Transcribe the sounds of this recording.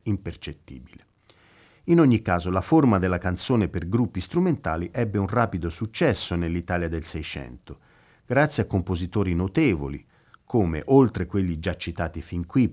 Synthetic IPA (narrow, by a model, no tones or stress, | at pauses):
impert͡ʃet̪ːḭːbile | inoɲːikːaːzolaformad̪elːakant̪soːneperɡɾupːist̪ɾument̪aːliʔɛbːeunraːpid̪osut͡ʃːɛsːonelːit̪aːljad̪elsɛjt͡ʃɛ̰nt̪o | ɡ̥ɾat̪sːjakːompozit̪oːɾinot̪eːvo̰lḭ | kʰoːmḛʔolt̪ɾekwelːid͡ʒat͡ʃːit̪aːt̪ifiŋkwi